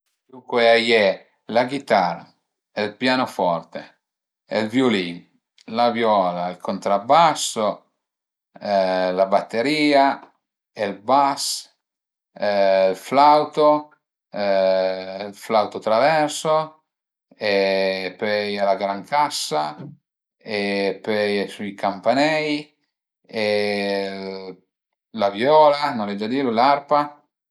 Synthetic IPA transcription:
dukweajɛ | laɡit̪aːɾa̰ | elpjaːnofɔrt̪e | elvjoliːn | lavjɔːlailkʰont̪ɾabːasːo | labat̪ːeɾiːa | elbas | lflawt̪o | lflawt̪ot̪ɾavɛɾso | epøjalaɡɾaŋkʰasːa | epøjsujkampanɛj | e | lavjɔːlanɔlɛd͡ʒad̪iːɾulaɾpa

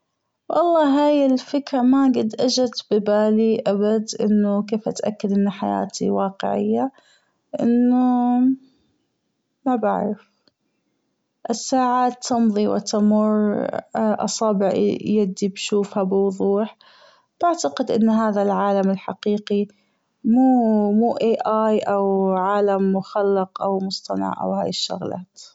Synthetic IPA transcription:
wʔɑ̰lˤːɑːɦaːjɪlfɪkɾamaɡɪd̪ʔad͡ʒat̪bɪbaːliʔabad̪ʔɪ̰nːʊkeːfʔat̪ʔakːad̪ʔɪnːħa̰ja̰ːt̪ḭwɑːqɪ̰ʕɪ̰jːa | ʔɪnːʊ | maba̰ʕɾɪf | ʔɪsːaːʕaːt̪ʰːɑnðˤiwɪ̰t̪amʊr | ʔɑ̰sˤɑːbɪʕjad̪ːibʃuːfhabɪwʊðˤuːħ | b̥aʕt̪aqɪd̪ʔɪnːɦaːðalʕaːlamɪlħaqiːqi | muːmuːʔeːʔaːjʔawʕaːlamːʊxalːɪqʔawmʊst̪ˤɑnɑ̰ʕʔa̰whaːjɪʃːʊ̰ɣla̰ːt̪

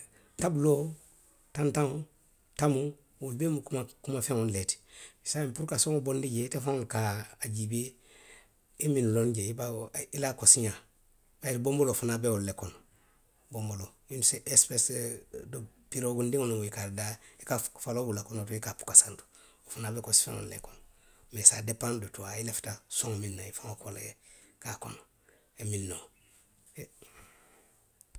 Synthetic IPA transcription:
tabulo | tãntãŋ | tamu | wulbemukumakumafẽŋonleti̥sampuɾkasõŋobondiɟeitefãolkaaɟibe | iminulonɟeibailakosiɲã | baitbombolofunabewollekɔno | bombolo | inseʔespesdopiɾoɡundĩŋonũŋoikaɾdaikafalobulakonotuikapu̥kasandu̥ | ofunabekosi̥fã̰ŋo̰lḛkonmesadepãndotuailefi̥tasoŋminːaifaŋokoleekako̰no | eminːo

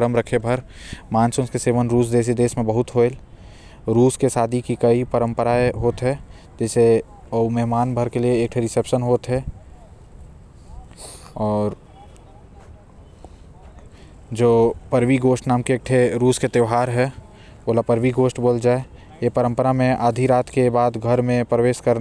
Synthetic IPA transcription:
ɾəmɾəkʰebʱəɾ | mãːnsʊ̃nskeseːʋənɾuːs̬d̪eːs̬id̪eːsmẽbəɦʊt̪ɦoel | ɾuːskesaːd̪ʱikikəipəɾə̃mpəɾaeɦoːt̪ɦɛ | d͡ʒɛːse | əumɛɦmaːnbʱəɾkelieːk̚ʈʰeɾɪsepʃənɦoːt̪ɦɛ | ɔːɾ | d͡ʒoːpəɾʋiɡoːsʈnaːmkeːk̚ʈʰeɾuːsket̪eɦaːɾɦɛ | oːlapəɾʋiɡoːsʈboːld͡ʒaːe | jepəɾə̃mpəɾamẽʔaːd̪ʱiɾaːt̪ʰkebaːd̪ɡʱəɾmẽpɾəʋeːʃkəɾ

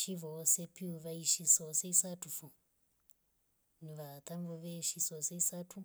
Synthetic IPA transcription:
ʃiʋosepiuʋaiʃisoseisatufu | niʋat̪ʰamboʋeʃisoseisatʰu

